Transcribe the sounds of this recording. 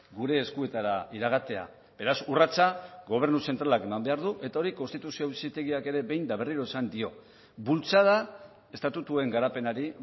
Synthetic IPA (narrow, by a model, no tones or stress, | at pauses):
ɡuɾe̞ːskue̞t̪aɾaiɾaɣat̪e̞a̰ | b̥e̞ɾasurat͡saɡo̞β̞e̞ɾnuse̞nt̪ɾalake̞mambe̞aɾðuʔe̞t̪ao̞ɾiko̞nst̪it̪usiosit̪e̞ɣiake̞ɾe̞βe̞jnd̪aβ̞e̞riɾo̞esand̪io̞ | bult͡sað̞a | e̞st̪at̪ut̪ue̞ŋɡaɾape̞naɾi